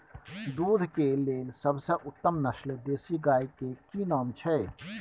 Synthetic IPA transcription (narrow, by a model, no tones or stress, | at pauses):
d̪ud̪ʱkeleːlsəbʱsə̃ʔut̪ːəmnəsld̪eːsiɡaikekinɔːmt͡ʃʰɛ